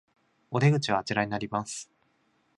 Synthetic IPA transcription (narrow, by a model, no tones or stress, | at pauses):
o̞d̪eɡɯ̟t͡ɕiβaːt͡ɕiɾaɲ̟inaɾʲimasɨ̥